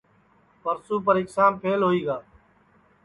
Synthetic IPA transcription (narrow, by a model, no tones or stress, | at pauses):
pəɾsuːpəɾɪksaːmpʰeːlɦoːiːɡaː